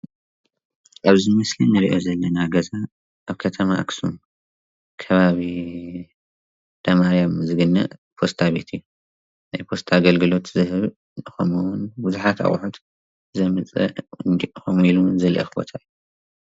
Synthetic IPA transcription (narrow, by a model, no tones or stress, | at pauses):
ʔaβzimɐslinɨɾiʔo̞zɐlːɐnaɡɐza | ʔaβkʰɐt̪ʰɐmaʔa̰ksum | kʰɐβaβi | d̪̥ʰɐmaɾijamzɨɡɨnːɐ̰ʔpʰo̞st̪ʰaβet̪ʰɨjːu | najpʰo̞st̪ʰaɡɐlɡɨlo̞t̪zɨhɨβ | nɨxomuwunbuzuħat̪ʰa̰χʼħut̪ | zɐmɨt͡sʼɐ̰nd̪iʔxomilunzɐlʔɐ̰xɨbo̰t̪ʰajːu